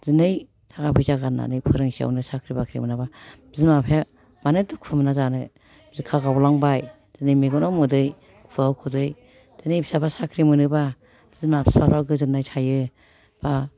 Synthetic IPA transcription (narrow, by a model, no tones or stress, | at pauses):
zɯnɯj | tʰakapʰɯjzaɡana̰nɯjpʰɯɾɯŋsia̰wnɯsakʰɾibakʰɾḭmɯnababzimapʰea | manɯdɯkʰpʰɯmnazanɯ | bzikʰaɡawlaŋbaj | z̥ɯnɯjmeɡɔnawmɯdɯj | kpʰɯawkʰɔdɯj | zɯnɯjbisabasakʰɾimɯnɯba | b̥zmapʰspʰapʰɾawɡɯzɯnajtʰajɯ | b̥a